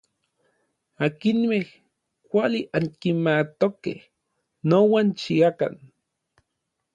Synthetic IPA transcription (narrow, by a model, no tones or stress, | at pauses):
aːkinmeh | kʷaliʔaŋkimat̪okḛh | nowant͡ʃiaka̰n